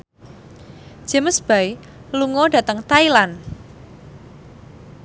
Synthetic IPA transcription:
ʒ̥ə̤məsb̥a̤i | luŋɔɖ̥a̤t̪əŋt̪ailan

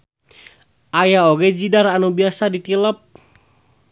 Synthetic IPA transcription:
ʔajaoɡɛd͡ʒidaɾanubiasadit̪iləp̚

